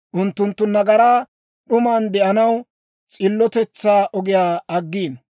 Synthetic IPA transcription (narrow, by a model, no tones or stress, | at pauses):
ʔʊnt̪ːʊnt̪ːʊnɐɡɐɾaː | ɗʊmaːnd̪ɛʔɐnɐw | t͡sʼɪlːɔt̪ɛt͡sːaːʔɔɡɪjaːɐɡːiːn